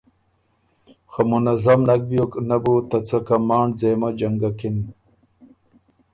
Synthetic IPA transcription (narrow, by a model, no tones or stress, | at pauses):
xamunɐzɐmnɐk̚bjoknabut̪ɐt͡sɐkɐmaːɳzeːmad͡ʑɐŋɡakin